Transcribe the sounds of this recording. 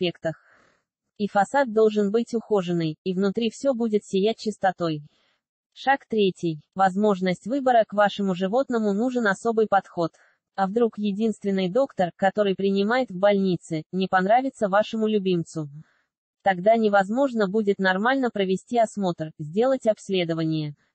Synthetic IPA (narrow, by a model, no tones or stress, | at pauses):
sʲpʲe̞kt̪əx | ifɐsad̪̚d̪o̞lˠʐɨnbɨtʲʊxoʐɨnːɨjivnʊt̪ɾʲifsʲɵbudʲɪt̪sʲɪjæt̚ʲt͡ɕɪst̪ɐt̪o̞j | ʂakt̪ɾʲetʲɪjvɐzmo̞ʐnəsʲtʲvɨbəɾəkvaʂɨmʊʐɨvo̞t̪nəmʊnuʐɨnɐso̞bɨjpɐt̪xo̞t̪ | ɐvd̪ɾukjɪdʲinst̪vʲɪnːɨjd̪o̞kt̪ərkɐt̪o̞ɾɨjpɾʲɪnʲɪmajɪt̪vbɐlʲnʲit̪sɨnʲɪpɐnɾavʲɪt̪səvaʂɨmʊlʲʉbʲimt̪sʊ | t̪ɐɡd̪anʲɪvɐzmo̞ʐnəbudʲɪt̪nɐrmalʲnəpɾəvʲɪsʲtʲiɐsmo̞t̪rzʲdʲe̞lˠətʲɐpsʲlʲe̞d̪əvənʲɪjə